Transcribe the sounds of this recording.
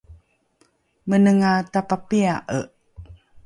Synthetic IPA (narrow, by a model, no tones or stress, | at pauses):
mənəŋatapapiaʔəʔ